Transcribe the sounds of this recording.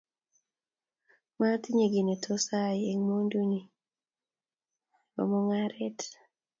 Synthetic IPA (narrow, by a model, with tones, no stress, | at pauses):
ma˦ti˦ɲe˨ɡi˨ne˨tʰɔ˦sa˦je˨ŋmo˦ndu˦ɲi˨ | bɔ̰˨mɔ˦ŋaɾɛ˦t